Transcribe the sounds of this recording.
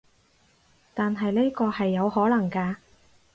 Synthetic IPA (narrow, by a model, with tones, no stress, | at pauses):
t̪aː˨nɦɐ˨jliː˥kɔː˧hɐ˨jːɐ˨˧whɔː˨˥lɐ˨˩ŋkaː˧